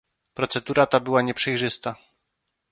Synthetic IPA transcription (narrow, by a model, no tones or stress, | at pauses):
pɾɔt̪sɛd̪uɾat̪abɘwaɲɛpʂɛjʐɘst̪a